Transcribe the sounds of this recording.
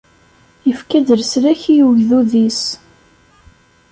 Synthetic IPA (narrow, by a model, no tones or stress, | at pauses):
jəfkæd̪əɾsɾæçijuʝðuðis